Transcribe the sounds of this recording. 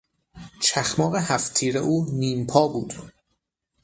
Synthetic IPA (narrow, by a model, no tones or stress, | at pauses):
t͡ʃʰæxmɒːɣehæft̪ʰiːɾḛʔuːniːmpʰɒːbuːd̪̥